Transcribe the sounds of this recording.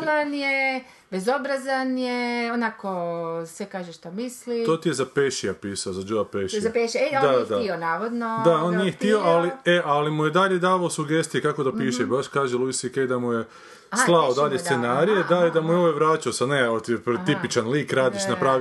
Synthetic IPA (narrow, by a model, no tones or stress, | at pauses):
lanje | bezo̞bɾazanjeonakosʋekaːʒeʃt̪omislit̪ot̪ijezapeʃiapiːsaozad͡ʒuapeʃiaeʃiod̪ad̪aionaːʋod̪nod̪aoːnnijext̪io̞alieʔalimuje̞d̪aʎe̞d̪aːʋaosuɡe̞st̪ijekako̞d̪apiːʃebaʃkaːʒelˠuisiked̪amuje̞ | slˠaod̪aʎeenaːɾijed̪aid̪amujeoʋeʋɾaːt͡ʃaosaneot̪ipt̪ipit͡ʃanliːkɾaːd̪iʃnapɾaː